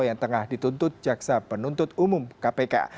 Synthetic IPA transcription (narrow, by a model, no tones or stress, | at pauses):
jaŋt̪əŋahdit̪unt̪ʊt̪̚d͡ʒaksapənunt̪ʊt̪umʊmkapeka̰